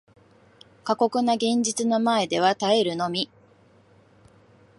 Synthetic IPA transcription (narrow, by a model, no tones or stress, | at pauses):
kako̞kɯ̟naɡẽ̞ɲ̟d͡ʑit͡sɨno̞mae̞d̪e̞βat̪aeɾɯ̟no̞mʲi